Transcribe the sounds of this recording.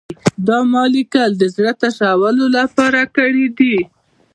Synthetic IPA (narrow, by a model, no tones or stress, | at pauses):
d̪ɑmɑlikəld̪əzɽət̪aʃawəlolapɑɾakəɽid̪i